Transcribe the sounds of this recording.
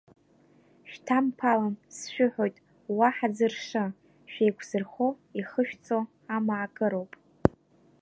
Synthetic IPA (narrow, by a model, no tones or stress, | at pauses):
ʃᶣtʰampʰalansʃᶣʏħojtʼ | waħad͡zɨrʂɨ | ʃᶣejkʷʰzɨrχo | iχəʃᶣt͡sʼo | amaːkʼɨɾo̞wpʼ